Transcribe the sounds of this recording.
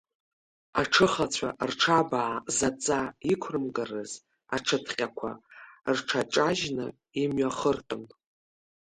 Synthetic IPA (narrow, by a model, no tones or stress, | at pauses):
aʈ͡ʂʰɨχat͡ɕʷʰa̰rʈ͡ʂʰabaʕːzat͡sʼaikʷʰrɨmɡarɨz | aʈ͡ʂʰɨtʰχʲʼakʷʰa̰rʈ͡ʂʰat͡ʃʼaʒnɨ̰ | imɥaχərtʼʊn